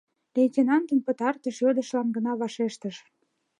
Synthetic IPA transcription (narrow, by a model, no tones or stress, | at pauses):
lejtʲinɑnd̪ənpət̪ɑrt̪əʃød̪ə̆ʃlɑnɡənɑβɑʃeʃt̪əʃ